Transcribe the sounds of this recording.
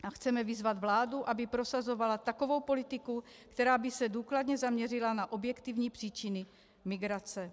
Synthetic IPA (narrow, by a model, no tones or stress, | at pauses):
axt͡sɛmɛvɪzvad̪vlaːduʔabɪpɾo̞sazo̞valat̪ako̞vo̞wpo̞lɪt̪ɪku | kt̪ɛɾaːbɪsɛduːkladɲɛzamɲɛrɪlanaʔo̞bjɛkt̪ivɲiːpr̥iːt͡ʃɪnɪ | mɪɡɾat͡sɛ